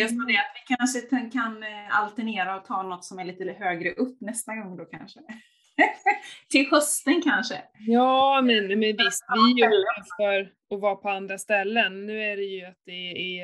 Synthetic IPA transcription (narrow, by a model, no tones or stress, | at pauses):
ɛsɔmad̪ɛat̪vɪkʰanʂət̪ʰɛkʰana̰lt̪əɳeːɾaɔt̪ʰɑːnɔt̪ːsɔmæɭiːt̪əɦøːɡɾəʔɵpːnɛst̪aɡɔŋːd̪oːkʰanʂə | t̪ʰɪlhœst̪ənkʰanʂə̰jɑːmɛnːmɛnvɪst̪djɵuəfœɾ | ɔvɑːpʰɔand̪ɾast̪ɛlːənːʉ̟ːæɖɛjɵat̪̚d̪ɛː